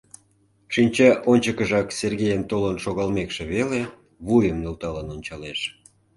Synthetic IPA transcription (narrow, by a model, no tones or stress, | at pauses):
ʃinʲt͡ɕɑʔonʲt͡ɕəkəʒɑkserɣejənt̪olənʃoɣɑlmekʃeβele | βujəmnølt̪ɑlɑnonʲt͡ɕɑleʃ